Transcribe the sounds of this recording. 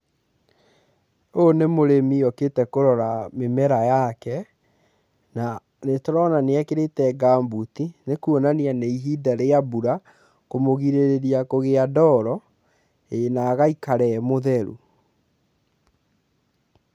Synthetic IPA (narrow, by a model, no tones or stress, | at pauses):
onemoɾemiɔketɛkoɾɔɾamemɛɾajakɛ | na | netɔɾɔnaneakeɾetɛɡambutinekuonanianeiɦidaɾeabuɾa | komoɣiɾeɾeɾiakoɣeadɔɾɔ | enaɣaikaɾɛmoðɛɾṵ